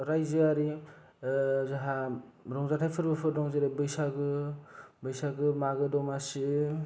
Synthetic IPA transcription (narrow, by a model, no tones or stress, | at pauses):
ɾajzɯaɾi | zaɦaɾɔŋzatʰajpʰɯɾbɯpʰɯɾɾɔŋzeɾebɯjsaɡɯ | bɯjsaɡɯmaɡɯdɔmasi